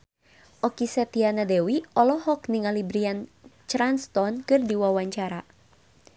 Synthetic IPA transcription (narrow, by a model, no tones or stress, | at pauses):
ʔɔkisɛt̪ianadɛwiɔlɔhɔkniŋalibɾiant͡ʃɾanst̪ɔnkɨrdiwawaɲt͡ʃaɾa